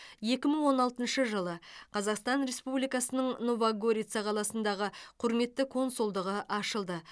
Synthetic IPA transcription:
je̞kʲɪməɴwo̞nɑlˠt̪ənʃəʒəlˠəqʰɑzɑqst̪ɑnɾe̞spublijkɑsənəɴnovaɡoɾʲijt̪sɑqʰɑlˠɑsənd̪ɑʁəqʰʊɾme̞t̪ːɪkʰo̞nsulˠd̪əʁəʔɑʃəlˠd̪ə

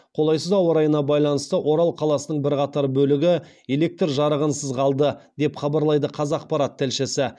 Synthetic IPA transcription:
qʰo̞lˠɑjsəzɑwəɾɑjənɑbɑjlˠɑnəst̪əʔo̞ɾɑlˠqʰɑlˠɑsənəɴbɪɾqɑt̪ɑɾbɵlɪɡʲɪ | ele̞k̚t̪rʒɑɾəʁənsəzʁʰɑlˠd̪əd̪e̞pχɑbɑɾlˠɑjd̪əqʰɑzɑːq̚pɑɾɑt̪ʰːɪlʃɪsɪ

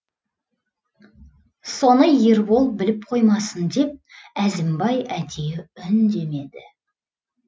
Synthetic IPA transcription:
so̞nəjeɾbo̞lˠp̚bɪlɪp̚qʰo̞jmɑsənd̪e̞p̚æzɪmbɑjæd̪e̞jɪʏnd̪e̞me̞d̪ɪ

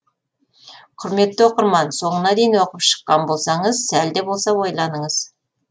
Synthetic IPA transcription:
qʰʊɾme̞t̪ːɪwo̞qəɾmɑnso̞ɴənɑd̪ejinwo̞qəpʃə̥qːɑnbo̞lˠsɑɴəzsæld̪ebo̞lˠsɑwo̞jlˠɑnəɴəz̥

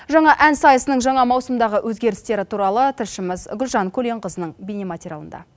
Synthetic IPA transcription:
ʒɑɴɑʔænsɑjəsənəɴʒɑɴɑmɑwsəmd̪ɑʁəʔwʔɵzɡʲe̞ɾɪst̪e̞ɾɪt̪ʰuɾɑlˠət̪ʰɪlʃɪmɪzɡʲʏlʒɑŋkʲʰɵle̞ɴqəzənəɴbinemat̪ʲiɾʲjalˠə̰nd̪ɑ̰

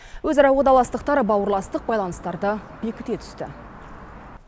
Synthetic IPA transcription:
wɵzɑɾɑwod̪ɑlˠɑst̪əqt̪ɑɾəbɑwəɾlˠɑst̪əq̚bɑjlˠɑnəst̪ɑɾd̪əbe̞kʲɪ̥t̪e̞t̪ʰʏ̥st̪ɪ̰

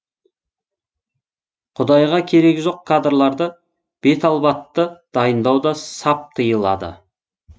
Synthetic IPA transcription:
qʰʊd̪ɑjʁɑkʲʰe̞ɾe̞ɡʲɪʒo̞q̚kʰːad̪rlˠɑɾd̪ə | b̥e̞t̪ɑlˠbɑt̪ːəd̪̥ɑjənd̪ɑwd̪ɑsɑp̚t̪ʰəjəlˠɑ̰d̪ə̰

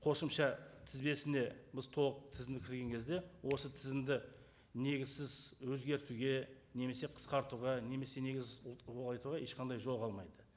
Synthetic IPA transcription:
qʰo̞səmʃɑt̪ʰɪzbe̞sɪne̞bɪzt̪ʰo̞lˠəq̚t̪ʰɪzɪmnd̪ɪkʲʰɪɾɡʲe̞ŋkʲʰe̞zd̪e̞wo̞sət̪ʰɪzɪmd̪ɪ | ne̞ɡʲɪzsɪzwɵzɡʲe̞ɾt̪uɡʲe̞ne̞me̞se̞qʰə̥sqɑɾt̪uʁɑne̞me̞se̞ne̞ɡʲɪzɪɑjt̪uʁɑe̞ʃqʰɑnd̪ɑjʒo̞lˠqɑlˠmɑjd̪ə

